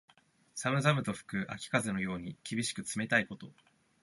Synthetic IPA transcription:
samɯ̟zamɯ̟t̪o̞ɸɯ̟̥kɯ̟ʔa̰kʲi̥kazeno̞jo̞ːɲ̟ikʲibʲiɕi̥kɯ̟t͡sɨme̞t̪aiko̞t̪o̞

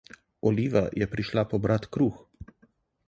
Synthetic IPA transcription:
ɔliːʋa̰jɛpɾiʃlapɔbɾat̪kɾuːx

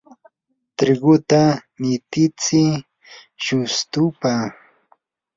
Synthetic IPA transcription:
t̪ɾɪɢʊt̪anɪt̪ɪt͡sɪ | ʃʊst̪ʊpa

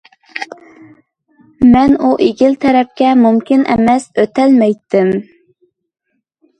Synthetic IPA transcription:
mɛnuʔeɡʲilt̪ʰɛɾɛp̚kʲɛmumkʲinʔɛ̰mɛsøt̪ɛlmɛjt̪ʰːɪm

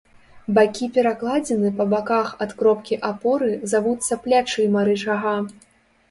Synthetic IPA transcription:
bakʲipʲɛɾaklˠad͡zʲɛnɨpɐbakaxɐt̪kɾɔpkʲiʔapɔɾɨzavut̪sːɐplʲat͡ʂɨmɐɾɨt͡ʂaɣa

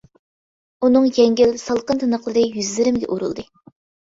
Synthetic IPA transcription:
unɨŋjɛŋɡʲilsɑlˠqənt̪ʰɨnəχlˠɨɾɨjyzlɪɾɪmɡʲɛ̰ʔuɾṵlˠd̪ɨ

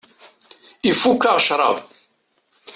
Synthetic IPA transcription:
ifukːaʁʃɾˤɑ̰v

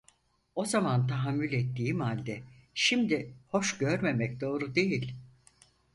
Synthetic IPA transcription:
o̞zamant̪ʰaɦamːylʲet̪ʰːiːmhalʲd̪ɛʃimd̪iho̞ʃɟøɾme̞mɛc̚d̪o̞ːɾud̪e̞jilʲ

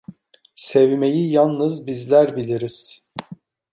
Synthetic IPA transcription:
sevme̞jijalˠnɯzbizlʲæɾbilʲiɾiz̥

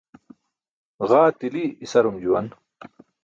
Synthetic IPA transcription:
ɣaːt̪iliːsɐɾumd͡ʑuwɐ̰n

